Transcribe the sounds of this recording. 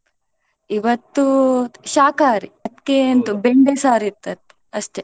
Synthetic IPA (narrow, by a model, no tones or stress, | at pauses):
iʋɐt̪ːuʃaːkaːɾiɐt̪kent̪ubeɳɖesaːɾit̪ːɐt̪ːe̥ɐʃʈ̪e